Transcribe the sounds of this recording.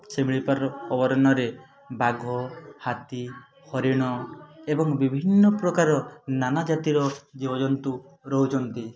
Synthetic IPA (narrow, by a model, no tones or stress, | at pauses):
semiɭipaɾɔbɔɾɔnɔɾe | baɡʱɔhat̪i | hɔɾiɽ̃ɔebɔŋbibʱinːɔpɾɔkaɾɔnanad͡ʒat̪iɾɔd͡ʒibɔd͡ʒɔnt̪u | ɾɔɦut͡ʃʰɔnt̪i